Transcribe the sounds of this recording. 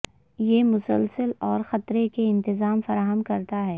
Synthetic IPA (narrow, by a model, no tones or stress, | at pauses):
jemʊsəlsəlɔːɾxɐt̪ɾekeɪ̃nt̪ɪzaːmfɐɾaːɦəmkɐɾt̪aɦɛː